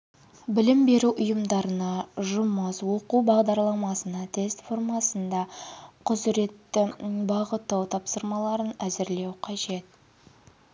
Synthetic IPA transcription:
bɪlɪmbe̞ɾuʔʊjəmd̪ɑɾənɑʒʊməswo̞quwbɑʁd̪ɑɾlˠɑmɑsənɑt̪ʰe̞st̪fo̞rmɑsənd̪ɑqʰʊzɾe̞t̪ːɪbɑʁət̪ːɑwt̪ʰɑpsəɾmɑlˠɑɾənæzɪɾle̞wqʰɑʒe̞t̪̚

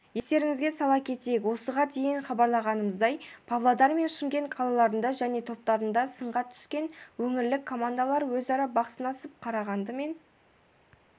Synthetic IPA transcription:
je̞st̪e̞ɾɪŋɪzɡʲe̞sɑlˠɑkʲʰe̞t̪ejekwo̞səʁɑd̪ejɪɴχɑbɑɾlˠɑʁɑnəməzd̪ɑjpʰavlˠod̪ɑɾme̞nʃɪmɡʲe̞ɴqʰɑlˠɑlˠɑɾənd̪ɑʒæne̞t̪ʰo̞p̚t̪ɑɾənd̪ɑsəɴʁɑt̪ʰʏ̥skʲe̞nwɵŋɪɾlɪkʰːo̞mand̪alˠɑɾwɵzɑɾɑbɑqəsənɑsəp̚qʰɑɾɑʁɑnd̪əme̞n

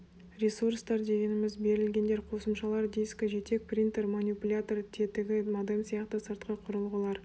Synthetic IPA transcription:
ɾʲesuɾst̪ɑɾd̪e̞ɡʲe̞nɪmɪzbe̞ɾɪlɡʲe̞nd̪e̞ɾqʰo̞səmʃɑlˠɑɾd̪ijskʲəʒe̞t̪e̞k̚prʲint̪eɾmanʲipulʲat̪ort̪ʰe̞t̪ɪɡʲɪmad̪emsijɑqt̪əsəɾt̪qɑqʰʊɾəlˠʁəlˠɑɾ

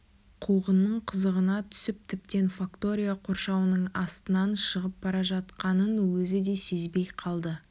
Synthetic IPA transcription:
qʰuʁənːəɴqʰəzəʁənɑt̪ʰʏ̥sɪp̚t̪ʰɪp̚t̪e̞nfakt̪o̞ɾʲijaqʰo̞ɾʃɑwənəɴɑst̪ənɑnʃəʁəp̚bɑɾɑʒɑt̪qɑnənwɵzɪd̪e̞se̞zbe̞jqʰɑlˠd̪ə

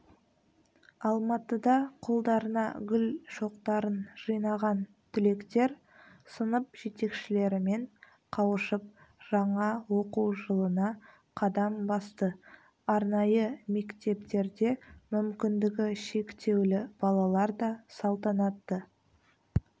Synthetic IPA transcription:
ɑlˠmɑt̪əd̪ɑqʰolˠd̪ɑɾənɑɡʲʏlʃo̞qt̪ɑɾənʒ̥əjnɑʁɑn | t̪ʰʏle̞kt̪e̞ɾ | sənəp̚ʒ̥e̞t̪e̞kʃɪle̞ɾɪme̞ɴ | qʰɑwəʃəp̚ | ʒ̥ɑɴɑwoquwʒəlˠənɑ | qʰɑd̪ɑmbɑst̪ə | ɑɾnɑjəme̞kt̪e̞pt̪e̞ɾd̪e̞mʏmkʲɪnd̪ɪɡʲɪʃe̞kt̪ʰe̞wlɪb̥ɑlˠɑlˠɑɾd̪ɑsɑlˠt̪ɑnɑt̪ːə

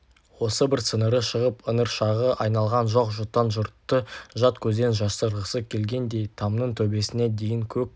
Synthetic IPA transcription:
wo̞səbɪɾt̪sənəɾəʃəʁəpənəɾʃɑʁəʔɑjnɑlˠʁɑnʒoqʒʊt̪ːɑnʒʊɾt̪ːəʒɑt̪kʲʰɵzd̪e̞nʒɑsəɾəsəkʲʰe̞lɡʲe̞nd̪e̞jt̪ʰɑmnəɴt̪ʰɵbe̞sɪne̞d̪e̞jɪŋkʲʰɵk̚ʲ

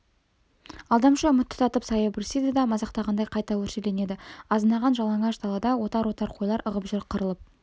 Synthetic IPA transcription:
ɑlˠd̪ɑmʃəʊmət̪ːʰʊ̥t̪ʰɑt̪əpsɑjəbɾʲsid̪ed̪ɑmɑzɑqt̪ɑʁɑnd̪ɑjqʰɑjt̪ɑwɵɾʃele̞ne̞d̪ɪɑzənɑʁɑnʒɑlˠɑŋɑʃt̪ʰɑlˠɑd̪ɑwo̞t̪ɑɾwo̞t̪ɑɾqʰo̞jlˠɑɾʔəʁəpʒʏɾqʰəɾəlˠəp̚

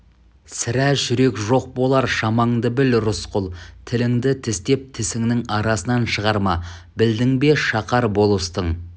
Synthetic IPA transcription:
sɪɾæʒʏɾe̞kʒo̞q̚bo̞lˠɑɾʃɑmɑɴd̪əbɪlɾʊsqʊlˠt̪ʰɪlɪŋd̪ɪt̪ʰɪst̪e̞p̚t̪ʰɪsɪŋnɪŋɑɾɑsənɑnʃəʁɑɾmɑ | bɪld̪ɪŋbe̞ʃɑqɑɾbo̞lˠəst̪əɴ

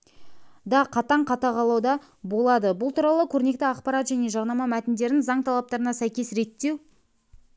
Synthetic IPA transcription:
d̪ɑqʰɑt̪ɑɴqʰɑt̪ɑqʰɑlˠɑwd̪ɑ | bo̞lˠɑd̪əbʊlˠt̪ʰuɾɑlˠəkʲʰɵɾne̞kt̪ɪɑqpɑɾɑt̪ʒæne̞ʒɑʁnɑmɑmæt̪ɪnd̪e̞ɾɪnzɑɴt̪ʰɑlˠɑp̚t̪ɑɾənɑsæjkʲe̞sɾe̞t̪ːe̞w

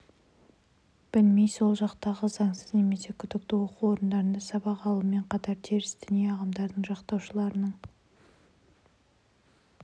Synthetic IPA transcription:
b̥ɪlme̞jso̞lˠʒɑqt̪ɑʁəzɑɴsəzne̞me̞se̞kʲʰʏd̪ɪk̚t̪ɪwo̞quwo̞ɾənd̪ɑɾənd̪ɑsɑbɑqɑlˠuəme̞ɴqʰɑt̪ɑɾt̪ʰeɾɪsd̪ɪnijeɑʁɑmd̪ɑɾd̪əɴʒɑqt̪ɑwʃəlˠɑɾənəɴ

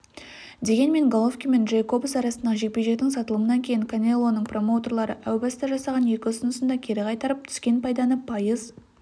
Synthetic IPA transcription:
d̪e̞ɡʲe̞nme̞ŋɡolˠofkʲime̞nʒejkʰo̞busɑɾɑsənd̪ɑʒek̚peʒe̞k̚t̪ɪŋsɑt̪əlˠəmənɑŋkʲʰejɪŋkʰanʲe̞lˠːo̞nəɴpro̞mo̞wt̪o̞rlˠɑɾəʔæwbɑst̪ɑʒɑsɑʁɑnje̞kʲɪʊsənʊsənd̪ɑkʲʰe̞ɾɪqʰɑjt̪ɑɾəp̚t̪ʰʏ̥skʲe̞npʰɑjd̪ɑnəpʰɑjəz

